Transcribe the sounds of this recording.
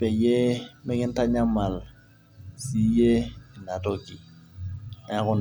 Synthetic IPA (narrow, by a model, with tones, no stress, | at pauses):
pɛ˨je˦mɪ˦ŋɪ˦n̩˦ta˦ɲa˦ma˨l | si˨˦je˦˨na˨tɔ˦ki˨ | a˦ɣʊ˦n˨